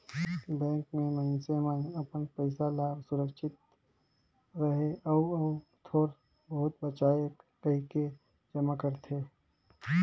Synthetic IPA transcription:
bɛ̃ːŋkmẽməɦnsemənɐpənpəɪsalaːbsʊɾəkʃɪt̪̚ | ɾəɦeɔːt̪ʰoːɾ | bəɦʊt̪̚bət͡ʃaːjekəɦke | d͡ʒɐmakəɾt̪ʰeː

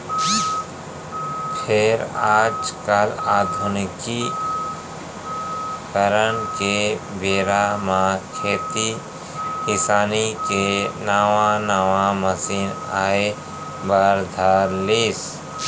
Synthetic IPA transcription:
pʰɪɾaːd͡ʒkəlaːd̪ʱʊnɪki | kəɾənkebeːɾamãkʰeːt̪i | kɪsaːnikenaːʋãnaːʋãməsiːna̰ːe | baɾd̪ʱaːɾliːs

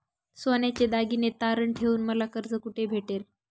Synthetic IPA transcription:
sonat͡ɕed̪aɡinet̪aɾəɳʈʰeʋuːnməlakəɾd͡zəkuʈʰebʱeʈeɾ

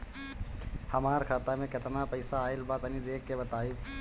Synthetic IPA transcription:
həmaːɾkʰaːt̪amẽkɪt̪napəɪsaːɪlbaːt̪nid̪eːkːebət̪aːi

